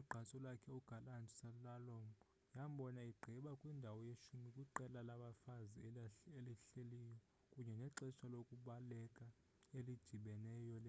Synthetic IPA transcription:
uɡ͡ǃʱant͡sʼɔlwakʰɛuɡ̥ʱalantʼi̥salalɔmbʱɔ | jam̩ɓɔnaiɡ͡ǃʱiɓakʼwindʱawɔjeʃumikʼuǃɛlalaɓafazieliɬelijɔ | kʼuɲɛnɛǀɛʃalokʼuɓalɛkʼa | elid̥d̥ʱiɓɛnɛjɔlɛ

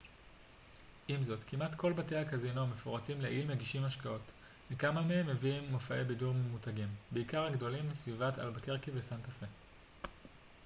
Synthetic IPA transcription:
ʔimzo̞tkʰimʔatkʰo̞lbate̞jhakazinoame̞foʁatimleʔilmeɡiʃimhaʃkao̞t | mekamameemːeviimːofaʔebiduʁmemutaɡimbeikaʁaɡdo̞limːisvivata̰lbakeʁkivesantafe

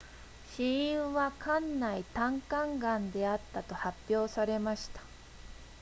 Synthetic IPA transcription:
ɕĩĩɰ̃βakãnːait̪ãŋkãŋɡãnd̪e̞at̪ːat̪o̞hapʲjo̞ːsaɾe̞maɕi̥t̪ḁ

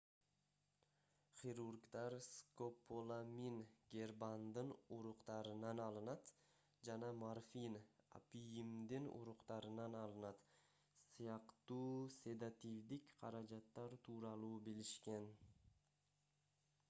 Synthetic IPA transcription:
χiɾurɡt̪ɑɾskopʰolˠaminɡʲerband̪ɯnuɾuqt̪ɑɾɯnɑnɑlˠɯnɑt̪ | d͡ʒɑnɑmarfʲina̰pijimd̪inṵɾuqt̪ɑɾɯnɑnɑlˠɯnɑt̪ | sɯjɑqt̪uːse̞d̪at̪ʲivd̪ikqʰɑɾɑd͡ʒɑt̪ːɑɾt̪ʰuːɾɑlˠuːbiliʃke̞n

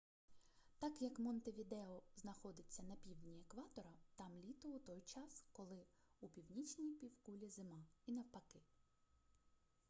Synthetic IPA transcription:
t̪ɑkjɐkmɔnt̪eʋʲid̪ɛɔznɐxɔd̪ɪt͡sʲːɐnɐpʲiwd̪nʲiekʋɑt̪ɔɾɐt̪ɑmlʲit̪ʊut̪ɔjt͡ʃɑskɔlˠɪupʲiwnʲit͡ʃʲnʲijpʲiwkulʲizɪmɑinɐwpɐkɪ

